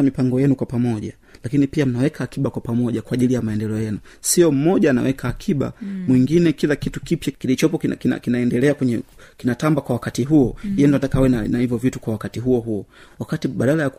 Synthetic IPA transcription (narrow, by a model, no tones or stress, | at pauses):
amipaŋɡɔjɛnukwapamɔʄa | lakinipiam̩nawɛkaːkiɓakwapamɔʄakwaːʄilijamaɛndɛlɛɔjɛnu | siɔm̩mɔʄaːna̰wɛkaːkʰiɓa̰mwiŋɡinɛkilakitukipjakilit͡ʃɔpɔkina̰kina̰kinaɛndɛlɛakwɛɲɛkinatambakwawakatiɦuɔhijɛndɔnatakawɛnanahivjɔvitukwawakatiɦuɔɦuɔwakatiɓaɗalaja